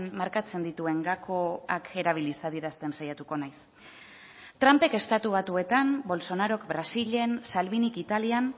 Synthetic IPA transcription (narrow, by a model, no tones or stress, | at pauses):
nmaɾkat͡se̞nd̪it̪ue̞ŋɡakʰo̞akʰe̞ɾaβ̞ilisaðiɾast̪e̞nsajat̪uko̞najs | t̪ɾampe̞ke̞st̪at̪uβat̪ue̞t̪ambo̞lso̞naɾo̞kbɾasiʎe̞nsalβinikit̪alian